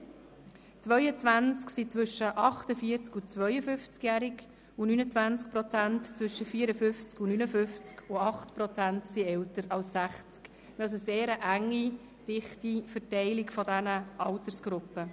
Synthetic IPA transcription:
t͡sʋœʏət͡sʋænt͡sksit͡sʋʏʃːəʔɑχtəfiːəɾt͡skut͡sʋœʏəfʏft͡skjæɾik | unynət͡sʋænt͡sk̚pɾɔt͡sæntt͡sʋʏʃəfiːɾəfʏft͡skunynəfʏft͡skʊɑχtpɾɔt͡sæntsiɛwtəɾɑlssæχt͡sk | ʋɛls̬əseːɾəʔæŋːi | d̥ɪχtifərtɛɪlikfɔdænəʔɑwtərsɡ̥ɾʊpːə

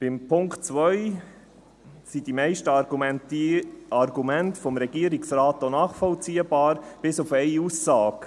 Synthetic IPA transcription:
b̥ɪmpʰʊŋktt͡sʋœj | sidimɛɪʃtəɡumɛntɑɾɡumɛntfɔmɾɛɡiəɾiksɾɑːtːonɑːχfɔlt͡siːəbɑːɾb̥ɪsufɛɪusːɑːk

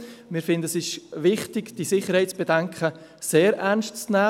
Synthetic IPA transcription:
mɪɾfɪndəsɪʃvɪχtɪɡd̥isɪχəɾhaɪtt͡sb̥edɛŋkʰχə | seːɾʔɛnstt͡snæː

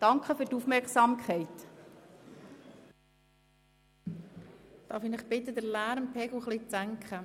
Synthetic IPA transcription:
d̥ɑŋkχəføtufmɛɾksɑːmkχɛɪt̪ | d̪̥ɑːɾfinɪχpɪt̪əd̪əɾlæːɾmpʰɛɡl̩χlit͡sæŋkχə

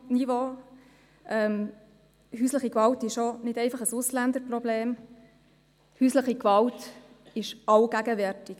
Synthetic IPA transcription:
nivo | ʔɛm | ɦyːsləχikʋɑltɪʃonɪdɛɪfɑχəsʊslænd̪əɾprɔbleːm | hysləχikvɑlt | ɪʃɑwɡ̥æɡəvɛɾtɪk

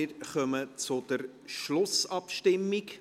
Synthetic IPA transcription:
ɪɾχœmət͡sʊd̪̥əɾ | ʃlʊsɑpʃtɪmːik

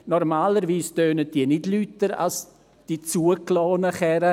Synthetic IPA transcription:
nɔɾmaːləɾʋiːstøːnəd̥iənɪdlytːəɾa̰s | d̥it͡suəklɔːnəχɛɾə

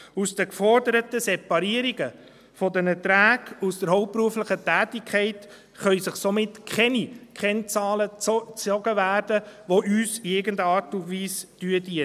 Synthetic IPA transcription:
usd̥əkfɔɾdəɾətəsepɑɾiəɾiɡə | fɔdənɛtɾæːɡ̥usd̥əɾɦɔʊp̚pɾuəfləχətæːtikʰɛɪt | χœʏsəχsomɪtkʰɛnikχɛnt͡sɑːlət͡st͡sɔɡəvæːɾdəʋoʔyːseɡəndɑːɾtʊndʋiːsd̥yːədi

